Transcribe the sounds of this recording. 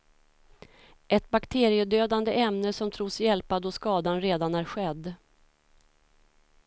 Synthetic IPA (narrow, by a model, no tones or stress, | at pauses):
ʔɛt̪̚bakt̪ʰeːɾɪəd̪øːd̪and̪əʔɛmnəsɔmt̪ʰɾuːsjɛlpad̪ɔskɑːd̪anɾeːd̪anæɾɧɛd̪ː